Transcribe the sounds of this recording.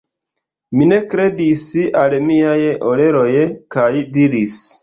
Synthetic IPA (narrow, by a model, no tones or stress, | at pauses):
mine̞kɾe̞disalmiajʔole̞ɾo̞jkajdiɾis